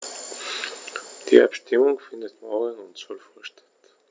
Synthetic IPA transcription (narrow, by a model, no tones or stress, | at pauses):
d̥ḭːʔa̰pʃtɪmʊŋfɪndətmɔːʁəŋʊntsɔlfɔɐʃtʰḁt